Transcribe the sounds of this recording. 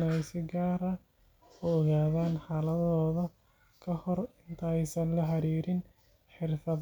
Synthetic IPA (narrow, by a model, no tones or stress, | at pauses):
nɛjsɪɡaːɾɐ | ʊɔɣaːðaːnħaːlɐðɔːðɐ | kʰɐhɔrɪnt̪ʰɐɛjsɐnlɐɦɑɾiːɾɪn | ħɪrfɐ